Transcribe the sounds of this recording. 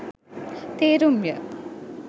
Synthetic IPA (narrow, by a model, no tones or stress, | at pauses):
t̪eːɾumjə